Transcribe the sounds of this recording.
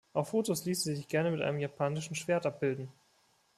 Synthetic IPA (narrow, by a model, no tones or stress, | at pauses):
ʔaʊffoːtosliːsn̩zizɪçɡ̥ɛɐnəmɪtʔa̰ɪnəmjapʰaːnɪʃn̩ʃv̥eːɐtʔap̚b̥ɪldn̩